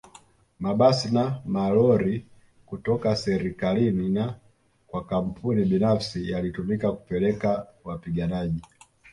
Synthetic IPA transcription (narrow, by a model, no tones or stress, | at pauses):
maɓasinamalɔɾi | kutɔkasɛɾikalinina | kwakam̩pʰuniɓinafsijalitumikaku̥pɛlɛkawapiɡanaʄi